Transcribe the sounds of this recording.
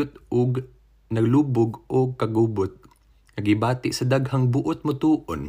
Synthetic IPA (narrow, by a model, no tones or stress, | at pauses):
ʊt̪̚ʔʊɡt | nɐɡluːbʊɡʔʊɡ̚kɐɡuːbʊt̪̚ | nɐɡɪbaːt̪ɪʔsɐd̪aɡhaŋbʊʔʊt̪̚mʊt̪uːʔon